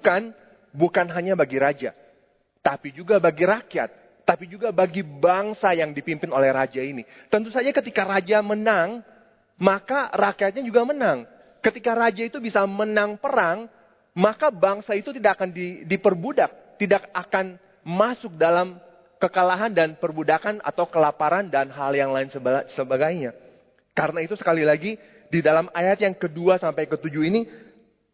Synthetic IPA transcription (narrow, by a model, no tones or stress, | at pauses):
bukan | bukanɦaɲabaɡiɾad͡ʒa̰ | t̪apid͡ʒuɡabaɡiɾakia̰t̪̚ː | apid͡ʒuɡabaɡibaŋsajaŋdipimpɪnolɛhrad͡ʒaini | t̪ənt̪usad͡ʒakət̪ikaɾad͡ʒamənaŋ | makarakiat̪̚ɲad͡ʒuɡamənaŋ | kət̪ikaɾad͡ʒait̪ubisamənaŋpəɾaŋ | makabaŋsait̪ut̪idakakandidipərbudak̚t̪idakakan | masʊk̚dalam | kəkalaɦandanpərbudakana̰t̪awkəlapaɾandanɦaljaŋlaɪnsəbsəbaɡajɲa | kaɾənait̪usə̥kalilaɡi | didalamajat̪jaŋkəduasampajkət̪ud͡ʒuini